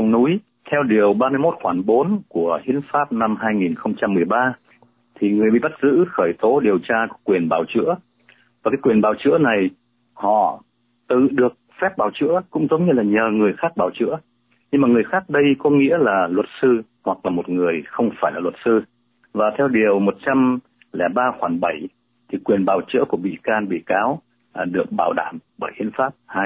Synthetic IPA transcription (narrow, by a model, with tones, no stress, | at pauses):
ə˨ŋ͡mnu˨˦j | t̪ʰɛ˧wɗi˨˩əwɓaː˧mɨ˧jmo˦˥t̚xwaː˧˩nɓo˨˦nku˧˩əhḭ˨˦ənfaː˦˥p̚na˧mɦaː˧jŋi˨˩nxə˧wŋ͡mt͡ɕa˧mːɨ˨˩əjɓaː˧ | t̪ʰi˨˩ŋɨ˨˩əjɓḭ˧˨ɓə˦˥t̚zɨ̰˧˥xəː˧˩jt̪o˨˦ɗi˨˩əwt͡ɕaː˧kɔ˨˦kwi˨˩ənɓaː˨˩wt͡ɕɨ̰˧˥ə | vaː˨˩kaː˨˦jkwi˨˩ənɓaː˨˩wt͡ɕɨ̰˧˥əna˨˩j | hɔ̰˧˨ | t̪ɨ̰˧˨ɗɨ˨˩ək̚fɛ˦˥p̚ɓaː˧˩wt͡ɕɨ̰˧˥əkʊ̰˧˥ŋ͡mzə˨˦wŋ͡mɲɨ˧laː˨˩ɲəː˨˩ŋɨ˨˩əjxaː˦˥k̚ɓaː˧˩wt͡ɕɨ̰˧˥ə | ɲɨ˧ŋmaː˨˩ŋɨ˨˩əjxaː˦˥k̚ɗə˧jkɔ˨˦ŋḭ˧˥əlaː˨˩lwə˨˩t̚sɨ˧ | hwa˨˩k̚laː˨˩mo˨˩t̚ŋɨ˨˩əjxə˧wŋ͡mfaː˧˩jlaː˨˩lwə˨˩t̚sɨ˧ | vaː˨˩t̪ʰɛ˧wɗi˨˩əwmo˨˩t̚t͡ɕa˧m | lɛ̰˧˩ɓaː˧xwaː˧˩nɓə˧˩j | t̪ʰi˨˩kwi˨˩ənɓaː˨˩wt͡ɕɨ̰˧˥əku˧˩əɓḭ˧˨kaː˧nɓḭ˧˨kaː˨˦w | ɗɨ˨˩ək̚ɓaː˧˩wɗa̰ː˧˩mɓəː˧˩jhi˧˨ənfaː˦˥p̚haː˧j